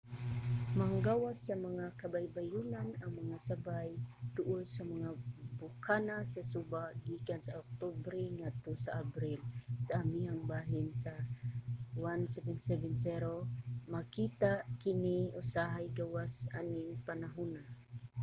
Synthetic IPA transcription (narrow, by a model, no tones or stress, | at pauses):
maŋɡawasːamaŋakabajbajunanaŋmaŋasabajd̪ʊʔʊsamaŋabukʰanasasubaɡikansaok̚t̪obɾiŋat̪usaabɾilsaːmiaŋbaɦinsa | wansɛvɛnsɛvɛnsɛɾomakit̪aʔkiniusaɦajɡawasa̰niŋpanaɦuna